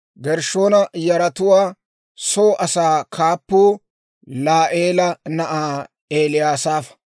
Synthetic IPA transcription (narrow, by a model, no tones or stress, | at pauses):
ɡɛɾʃoːnɐjɐɾɐt̪ʊwaː | soːʔɐsaːkʰaːpːuː | laːʔeːlɐnɐʔaː | eːlɪjaːsaːfɐ̥